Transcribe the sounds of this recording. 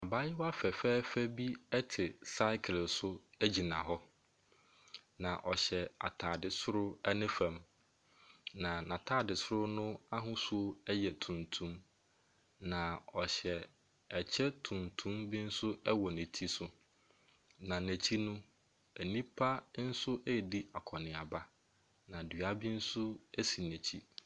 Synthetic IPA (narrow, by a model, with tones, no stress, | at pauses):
a˨ba˦jɪ˦wa˦fɛ˨fɛː˦fæ˦bi˦ɛ˦tʰɪ˨sa˦ɪ˦kʰɪ˨lsʊ˦æ˦d͡ʑi˨nã̰˨ɦɔ˦ | nã˨ʔɔ˨ɕɛ˨a̰˨tʰaː˨dɪ˨sʊ˦ɾʊ˦ɛ˦nɪ̃˦fɛ̃˨m | nã˨nã˨tʰaː˦dɪ˨sʊ˦ɾʊ˦nʊ̃˦a˦ɦʊ̃˦su˦o˦ɛ˦jɛ˨tʰũ˨ntʰũ˦m | nã˨ɔ˨ɕɛ˨ | ɛ˨t͡ɕʰɛ˦tʰũ˨ntʰũ˦mbi˦n̩˦sʊ˦ɛ˦wɔ˨nɪ̃˨tʰi˦sʊ˦ | nã˨næ˨t͡ɕʰi˦nʊ̃˦ | æ˨nĩ˦pʰa˦n̩˦sʊ˦ʔɛ˦˨di˦a˨kʰɔ˨nɪ̃˨a˨ba˦ | nã˨dɥa˦bi˦n̩˦sʊ˦æ˦si˨næ˨t͡ɕʰi˦